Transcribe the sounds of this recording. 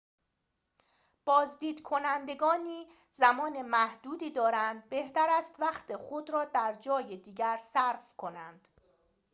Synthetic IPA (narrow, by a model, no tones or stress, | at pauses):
b̥ɒːzd̪iːd̪̥kʰo̞nænd̪e̞ɡɒːniː | zæmɒːnemæhd̪̥uːd̪iːd̪ɒːɾænd̪̚be̞ht̪æɾæst̪væχt̪eχod̪ɾɒːd̪æɾd͡ʒɒːjed̪iːɟæɾsæɾfkʰo̞nænd̪̥